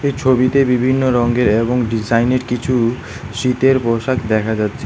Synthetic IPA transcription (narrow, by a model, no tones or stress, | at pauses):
ejt͡ɕʰobit̪ebibʱinːoɾɔŋɡeɾeboŋɖid͡ʑajneɾkit͡ɕʰu | ʃit̪eɾpoʃakd̪ɛkʰad͡ʑatːɕʰe